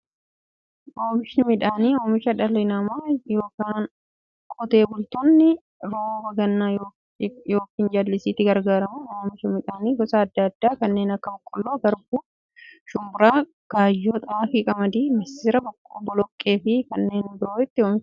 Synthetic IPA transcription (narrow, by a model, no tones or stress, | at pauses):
oːmɪʃɪnɪmɪᶑaːniːoːmɪʃɐᶑɐlɪnamajo̞ːkaːn | kʼɔt̪e̞ːbʊlt̪ɔnːɪ | ɾoːwɐɡɐnːaːjo | joːkiːnd͡ʒaːlːɪsiːt̪ːɪɡɐɾɡaːɾɐmʊoːmɪʃɐmɪᶑaːniːɡɔsaːɐd̪ːɐːd̪ːaːkɐnːeːnɐkːɐbɔkʼːɔlːoːɡɐɾbuː | ʃʊmbʊɾaː | ɡ̥aːjːoːt̪ʼɐaːfɪkʼɐmɐd̪iːmɐsːɪɾɐbɔkʼːobɔlɔkʼːe̞ːfɪkɐnːeːnbɪɾoːɪt̪ːɪoːmɪ